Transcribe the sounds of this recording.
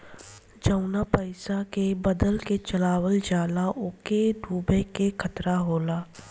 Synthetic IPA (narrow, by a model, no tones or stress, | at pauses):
d͡ʒəʊnapəɪsakebɐd̪əlket͡ʃɐlaːwəld͡ʒaːlaʔʊkeɖuːbəkekʰət̪ɾaɦoːlaː